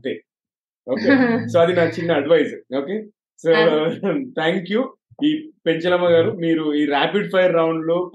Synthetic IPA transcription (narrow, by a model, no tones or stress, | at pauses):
t̪e | oːkesoːɐd̪inaːt͡ʃinːɐːɖʋɐjsɐɾoːke̞ː | soːt̪ʰaːŋkjuː | iːpe̞ɲt͡ʃɐlɐmɐɡaːɾumiːɾuiːɾaːpiɖpʰɐjɐɾːɐwɳɖloːp